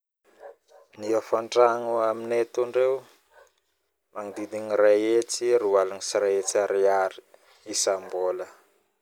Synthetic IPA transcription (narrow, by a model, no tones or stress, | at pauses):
niafaɳʈ͡ʂaŋuaminet̪uɳɖ͡ʐew | maŋid̪id̪iɲiraet͡siɾualanisiɾaet͡saɾiaɾi̥ | isambolə